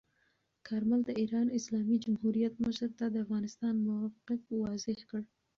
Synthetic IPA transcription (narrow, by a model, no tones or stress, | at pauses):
kʰaɾmald̪əiɾɑnɪslɑmid͡ʒamhuɾijat̪məʃɾt̪ad̪əafɣɑnɪst̪ɑnmʊwɑfqɪkwɑzɪhkəɽ